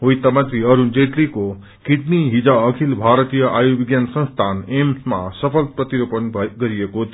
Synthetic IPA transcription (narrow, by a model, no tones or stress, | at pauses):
ɦojt̪ʌmʌt̪ɾiʌɾund͡zeʈliko | kiʈniɦid͡zaʌkʰilbʱaɾʌt̪ijʌʔajobiɡjansʌ̃nst̪ʰanemsma̰sʌpʰʌlpɾʌt̪iɾopʌnɡʌɾijekot̪ʰ